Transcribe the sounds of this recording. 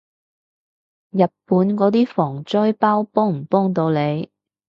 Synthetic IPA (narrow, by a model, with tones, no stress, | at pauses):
jɐ˨t̚pːuː˨˥nkɔː˨˥t̪iː˥fɔː˨˩ŋt͡ʃɔː˥jpaː˥wpɔː˥ŋm̩˨˩pɔː˥ŋt̪o˧wle˨˧j